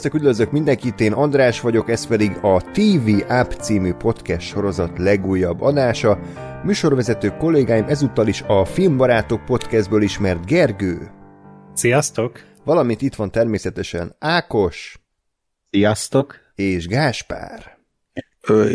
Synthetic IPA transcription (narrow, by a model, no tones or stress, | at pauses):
st̪ɛkyd̪øzøkmind̪ɛŋkit̪eːnɒnd̪raːʃʋɒɟo̞kɛspɛd̪iɡɒt̪iːviːʔapt̪siːmypo̞t̪kɛst̪ʃo̞ɾo̞zɒt̪lɛɡuːjːɒbːɒd̪aːʃɒ | myːʃo̞rʋɛzɛt̪øːko̞lːeːɡaːjimʔɛzut̪ːɒliʃɒfilmbɒɾaːt̪ok̚po̞t̪kɛzd̪̚bøːliʃmɛrt̪ɡɛrɡøː | sijɒst̪o̞k | ʋɒlɒmint̪it̪ʋɒnt̪ɛrmeːsɛt̪ɛʃɛ̰naːko̞ʃ | sijɒst̪ok | eːʒɡaːʃpa̰ːr | ø